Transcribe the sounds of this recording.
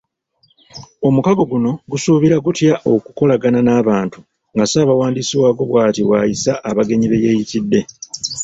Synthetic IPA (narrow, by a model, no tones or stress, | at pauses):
o̞mukaɡo̞ɡuno̞ɡusuːβiɾaɡutjaʔo̞kuko̞laɡananaːβaːntu | ŋɡasaːβawaːndisiwaːɡo̞βwaːtiwaːjisaʔːβaɡe̞ɲiβe̞je̞ːjitidːe̞